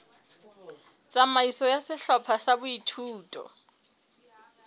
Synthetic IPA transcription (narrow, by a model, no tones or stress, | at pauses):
t͡sʼamaisɔjasɪɬɔpʰasabʊitʰuːtʼɔ̰